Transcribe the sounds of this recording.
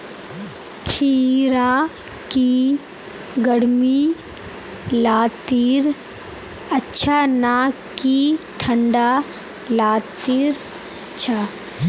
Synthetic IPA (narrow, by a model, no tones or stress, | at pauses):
kʰiːɾa | ki | ɡəɽmi | laːt̪iːɾ | ɐtːʃʰanaː | kiʈʰəɳɖa | laːt̪iɾ | ɐtːʃʰa